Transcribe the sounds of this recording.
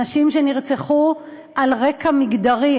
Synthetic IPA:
aʃimʃeniʁt͡seχu | ʔalʁekamiɡd̪aʁi

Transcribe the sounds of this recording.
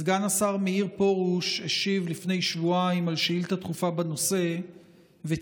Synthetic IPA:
zɡanasaʁmeiʁpo̞ʁuʃheʃivlifne̞jʃvuaimalʃeilt̪at̪χufabano̞se̞ | ve

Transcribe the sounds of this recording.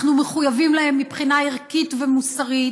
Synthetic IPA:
χnumeχujavimlahe̞mːipχinaiʁkit̪vemusaʁit

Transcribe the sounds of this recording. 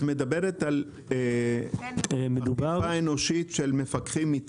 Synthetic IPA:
me̞d̪abeʁet̪al | med̪ubaaeno̞ʃitʃelmefakχimːit͡s

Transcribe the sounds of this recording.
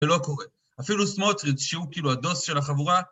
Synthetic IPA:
elo̞ko̞ʁe | afilusmot̪ʁit͡sʃeukiːluado̞sʃe̞laχavuʁa

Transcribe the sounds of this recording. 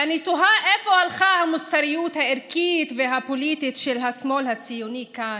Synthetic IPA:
anit̪uɦaʔefo̞alχahamust̪aɾijut̪haeɾkit̪veɦapolit̪it̪ʃelɦasmo̞lhat͡sijunikan

